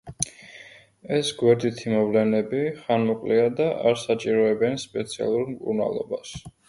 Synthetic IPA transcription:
ɛsɡwɛɾd̪it̪ʰimɔvlɛnɛbiχanmɔkʼliad̪aʔaɾsat͡ʃʼiɾɔɛbɛnspʼɛt̪sʰia̰lˠuɾmkʼṵɾna̰lˠɔ̰bas

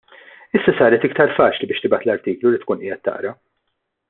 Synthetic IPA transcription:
ɪsːɐsɐːɾɛt̪ɪkt̪ɐɾfɐːt͡ʃlibɪːʃt̪ɪbɐt̪lɐɾt̪iːklulit̪kuːnʔiːjɛt̪ːɐ̰ʔɾɐ

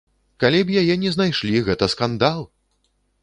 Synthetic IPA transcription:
kalʲibjajɛnʲɛznajʂlʲiɣɛt̪ɐskand̪alˠ

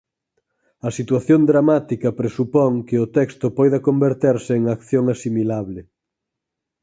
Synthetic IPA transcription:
ɐsit̪waθjond̪ɾamat̪ikɐpɾesupɔŋkɪʊt̪ɛkst̪opɔjðɐkombeɾt̪eɾsɪːŋakθjoŋasimilaβlɪ

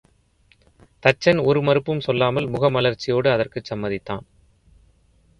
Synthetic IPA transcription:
t̪ɐt͡ʃːɐnɔɾɯmɐɾɯpːɯmsɔlːaːmɐlmʊɣɐmɐlɐɾt͡ʃːɪjoːɽɯɐðɐrkɯsɐmːɐðɪt̪ːa̰ːn

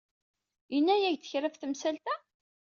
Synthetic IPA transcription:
jənːæjæʝθə̥çɾæfθəmsælt̪æ

